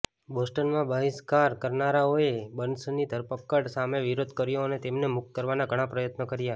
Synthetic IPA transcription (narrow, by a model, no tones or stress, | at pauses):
bosʈənmãbəɦiskaɾkəɾnaɾaoebənsnid̪ʱəɾpəkːəɽsameʋiɾod̪ʱkəɾjoənet̪emnemʊk̚t̪̚kəɾʋanaɡʱəɽ̃ãpɾəjət̪nəkəɾja